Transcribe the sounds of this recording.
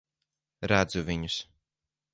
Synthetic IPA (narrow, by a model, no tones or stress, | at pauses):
ɾæd̪zuviɲus